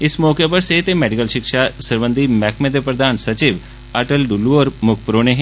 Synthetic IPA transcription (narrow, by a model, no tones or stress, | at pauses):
ɪsmɔːkepəɾset̪emɛːɖɪkəlʃɪkʃaːsəɾʋə̃nd̪iːmɛːkʰmẽːd̪epɾəd̪aːnsət͡ʃiːʋ | əʈəlɖuluoːɾmʊkʰpɾoːneɦɛ̃